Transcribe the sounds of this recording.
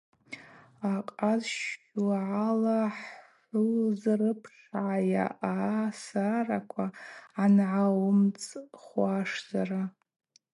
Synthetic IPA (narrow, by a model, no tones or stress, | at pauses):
aqʼazʃ | lʕalaħħħʷulzrɨpʰʂʕaja̰ʔasarakʷʰaanʕawʊmt͡sʼχʷaʂz̥ara